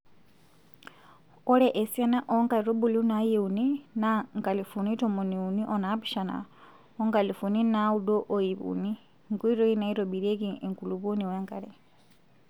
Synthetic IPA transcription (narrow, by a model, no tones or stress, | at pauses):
oleʔesjanaʔoŋɡaɾobulunajeuninaŋɡalifunitomoniuniʔonapiʃana̰ | oŋɡalifuninaudoʔojiβṵni | ŋɡuiɾojinaiɾobiɾekieŋkuluβuniweŋɡa̰le